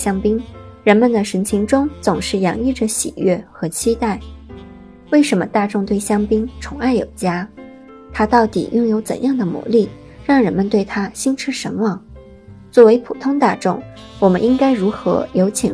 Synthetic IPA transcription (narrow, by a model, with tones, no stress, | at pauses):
ɕjɑ˥ŋpi˥ŋɻə˧˥nmə˧˨nd̪ə˨˩ʂə˧˥nt͡ɕʰi˧˥ŋʈ͡ʂʊ˥ŋt͡sʊ˨˩ŋʂɻ̩˥˩jɑ˨˧˥ŋi˥˩ʈ͡ʂə˩ɕḭ˨˩ɥɛ˥˩xɤ˧˥t͡ɕʰi˥t̪a˥˩ɪ | we˥˩ɪʂə˧˥nmə˧t̪a˥˧ʈ͡ʂʊ˥˧ŋt̪we˥˩ɪɕjɑ˥ŋpi˥ŋʈ͡ʂʰʊ˧˥ŋa˥˩ɪjo̰˨˩ʊt͡ɕja˥ | t̪ʰa˥t̪ɑ˥˩ʊt̪ḭ˨˩jʊ˥˩ŋjo˧˥ʊt͡sə̰˨˩njɑ˥˩ŋd̪ə˩mṵ˧˥li˥˩ | ɻɑ˥˩ŋɻə˧˥nmə˧nt̪we˥˩ɪt̪ʰa˥ɕi˥nʈ͡ʂʰɻ̩˥ʂə˧˥nwɑ˥˩ŋ | t͡swɔ˥˩we˧˥ɪpʰṵ˨˩t̪ʰʊ˥ŋt̪a˥˧ʈ͡ʂʊ̰˥˩ŋ | wɔ˨˩mə˦nʔi˥ŋka˥ɪɻu˧˥xɤ̰˧˥jo˧˥ʊt͡ɕʰɛ̰˨˩